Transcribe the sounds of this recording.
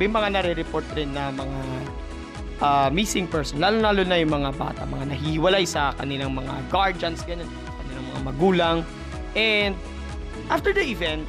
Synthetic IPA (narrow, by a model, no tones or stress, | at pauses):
bɛŋmɐŋanɐɾɛɾɛpoɹt̪ɾɪnːɐmɐŋa | ʔamisɪŋpɛɹsonlaːlonlaːlonɐjʊŋmɐŋaba̰ːt̪ɐ̰mɐŋanɐɦihɪwɐlajsɐkɐ̰nɪlaŋmɐŋa̰ɡaɹd͡ʒɐnsɡɐnonsɐkɐnɪlaŋmɐŋamɐɡuːlɐŋ | ʔɛnd̪̚ | ʔaft̪ɛɹd̪ɐʔɪvɛnt̪̚